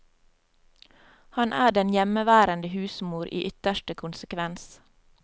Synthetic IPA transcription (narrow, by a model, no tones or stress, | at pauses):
hɑnʔæːɖɛnjɛməʋæːɾənd̪əhʉːsmuːɾʔḭːʔʏt̪əʃʈəkʰʊnsəkʰʋɛns